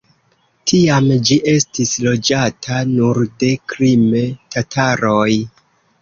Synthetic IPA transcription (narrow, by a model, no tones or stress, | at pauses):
tʰiamd͡ʒiʔe̞stislo̞d͡ʒatʰanuɾde̞kɾimtatʰaɾo̞j